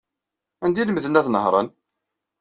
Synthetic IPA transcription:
ænd̪iləmðənæθnəhɾˤɑ̰n

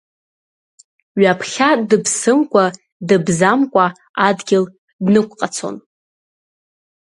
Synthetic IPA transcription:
ɥapʰχʲadɨpʰsɨmkʷʼa | dɨbzamkʷʼa | adɡʲɪl | dnɨkʷʼqʼat͡sʰo̞̰n

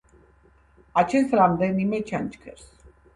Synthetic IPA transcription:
at͡ʃet̪ɾamd̪enimet͡ʃanʲt͡ʃkʰeɾs

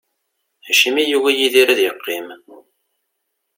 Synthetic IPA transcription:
æʃimijuwæjiðiɾaðjəqːim

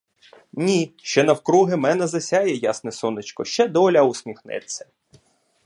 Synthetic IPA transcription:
nʲiʃt͡ʃɛnɐwkɾuɦɪmɛnɛzɐsʲajɛjasnɛsɔnɪt͡ʃkɔʃt͡ʃɛd̪ɔlʲɐʊsʲmʲixnɪ̰t̪ʲsʲɐ̥

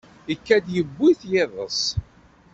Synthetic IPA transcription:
ikːæd̪jəbːiθjɪðˤə̰s

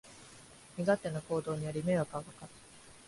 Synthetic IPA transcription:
mʲiɡat̪ːe̞noko̞ːd̪o̞ːɲ̟ijaɾʲime̞βakakakat̪ː

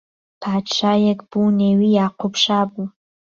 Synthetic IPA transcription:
pʰaːt͡ʃʰajɛkb̥unewijaːqʷʰʊpʰʂaːbu

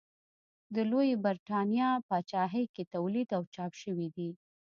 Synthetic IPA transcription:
d̪əlojebaɾʈɑnijɑpat͡ʃɑɦəjket̪awlid̪awt͡ʃɑpʃəwid̪i

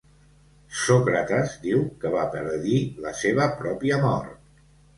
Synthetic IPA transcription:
sɔkɾət̪əzd̪iwkəβapəɾðiləseβ̞əpɾɔpiəmɔ̰ɾt̪̚

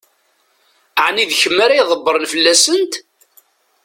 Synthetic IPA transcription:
əʕniðçəmːaɾajðˤəbːəɾˤnfəlːæsənt̪

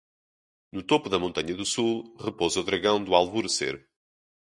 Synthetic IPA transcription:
nut̪opuðɐmõnt̪ɐɲɐðusulˠʁɨpozuðɾɐɣɐ̃w̃d̪ualˠvuɾɨsḛɾ

